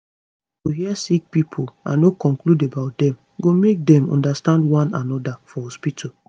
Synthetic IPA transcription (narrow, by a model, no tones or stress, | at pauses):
ɡoɦiasik̚pipʰolã̰nːokɔ̃ŋkludebaʊt̚dɛ̃m | ɡomek̚dɛ̃mɔ̰̃ndastãndwɔ̃nãnɔdafɔhɔspitʰo